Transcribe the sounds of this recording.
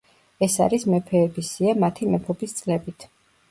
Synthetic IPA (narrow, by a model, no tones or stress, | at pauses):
ɛsa̰ɾismɛpʰɛːbisiamat̪ʰimɛpʰɔbist̪sʼlɛbit̪ʰ